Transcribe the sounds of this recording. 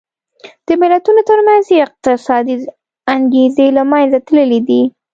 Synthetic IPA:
d̪̥əmɪlat̪unot̪əɾmanzɪq̚t̪ɪsɑd̪i | aŋɡezelamanzat̪ləlid̪i

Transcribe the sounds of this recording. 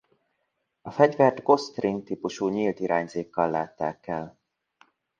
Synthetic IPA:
ɒfɛɟvɛrt̪ɡo̞st̪rint̪ipuʃuːɲiːlt̪iɾaːɲzeːkːɒlːaːt̪ːaːkɛl

